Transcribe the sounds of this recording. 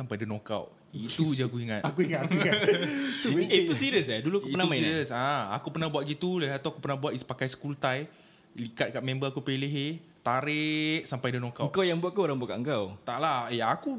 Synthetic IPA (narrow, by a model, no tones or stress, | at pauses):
sampajdənoka̰w | it̪ud͡ʒaɡuiŋatakuiŋauatuit̪usiɾiəs̬adulukəiənamãiinɾiəsaa̰kupərnahbuaʔ̪̚ɡit̪uləɦat̪aakupərnahbuaʔ̪ispakajsə̥kult̪aj | likat̪̚kaʔmɛ̃mbəakupeleɦet̪aɾɪʔsampajdənõkaəŋkawjaŋbuaʔ̪̚kaoɾaŋbuaʔka̰ʔəŋkawt̪aʔlaheaku